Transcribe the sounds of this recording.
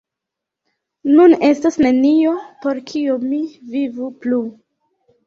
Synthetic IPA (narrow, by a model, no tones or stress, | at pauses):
nune̞stasnenio̞po̞ɾkʰiomivivuplu